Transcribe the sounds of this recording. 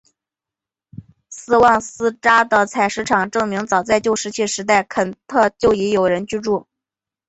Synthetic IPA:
sɹ̩˥˧wɑ˥˩ŋsɹ̩˥ʈ͡ʂa˥d̪ə˨t͡sʰa˨˩ɪʂɻ̩˧˥ʈ͡ʂʰɑ˨˩ŋʈ͡ʂɤ˥˩ŋmi˧˥ŋt͡sɑ˨˩ʊt͡sa˥˧ɪt͡ɕjo˥ʊʂɻ̩˧˥t͡ɕʰi˥˩ʂɻ̩˧˥t̪̬a˥˩ɪkʰə˨˩nt̪ʰɤ˥˧t͡ɕjo˥˩ʊi˧˥jo˨˩ʊɻə˧˥nt͡ɕy˥˧ʈ͡ʂu˥˩

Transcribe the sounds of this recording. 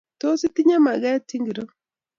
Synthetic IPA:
to˦si˦ti˦ɲa˦ma˨ɣɛ˦ti˦ŋɡi˨ɾo˦

